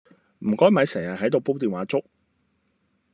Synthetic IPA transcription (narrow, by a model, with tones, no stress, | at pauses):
m̩˨˩kɔː˥jmɐ˨˧jsɛː˨˩ŋjɐ˨ɦɐ˨˥jt̪o˨˧wpo˥wt̪iː˨nwaː˨˥t͡sʊ˥k̚